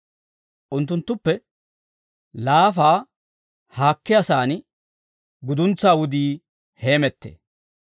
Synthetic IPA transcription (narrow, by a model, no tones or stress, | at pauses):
ʔʊnt̪ːʊnt̪ːʊpːɛ | laːfaː | haːkːɪjɐsaːnɪ | ɡʊd̪ʊnt͡sːaːwʊd̪iː | he̞ːmɛt̪ːḛː